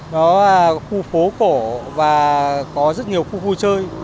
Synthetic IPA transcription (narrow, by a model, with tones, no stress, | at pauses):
nɔː˨˦˨xu˧fo˨˦ko˧˩vaː˨˩kɔ˨˦zə˦˥t̚ɲi˨˩əwxu˧fu˧˦t͡ɕəː˧j